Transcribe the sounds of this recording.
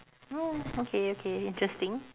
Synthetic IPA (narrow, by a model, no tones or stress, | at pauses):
ookʰeokʰeɪ̃ntɹɛstɪ̃ŋ